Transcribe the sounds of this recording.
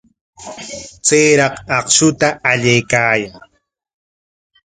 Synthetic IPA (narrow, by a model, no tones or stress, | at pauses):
t͡sejɾɑqɑqʃʊt̪aːʎajkaːjaŋ